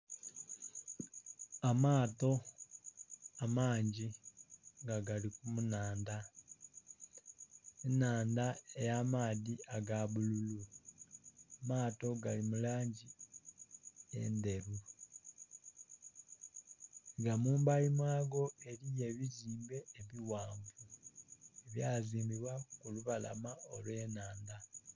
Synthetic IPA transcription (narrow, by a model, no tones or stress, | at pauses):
amaːto̞ | amaːɲɟi | ŋɡaɡalikumunaːnda | enaːndaejaːmaːðiaɡaβululu | amaːto̞ɡalimulaːɲɟi | e̞̰nde̞ɾu | ŋɡamuːmbaimwaːɡo̞e̞ɾije̞βiziːmbe̞ːβiwaːɱvu | eβjaːziːmbiβwakuluβala̰maolwe̞ːnaːnda